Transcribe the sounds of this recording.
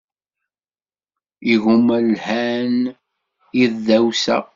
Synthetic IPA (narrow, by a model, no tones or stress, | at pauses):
iɣumællhæn | iððæwsæ̰